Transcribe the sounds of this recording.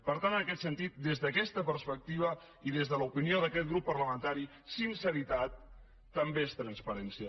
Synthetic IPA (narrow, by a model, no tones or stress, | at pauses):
pəɾt̪anənəkɛt̪sənt̪it̪̚d̪ezðəkɛst̪əpəɾspək̚t̪iβ̞ə | iðezðələupinioðəkɛt̪̚ɡɾupːəɾləmənt̪aɾi | sinsəɾit̪at̪ː | əmbeest̪ɾənspəɾɛnsiə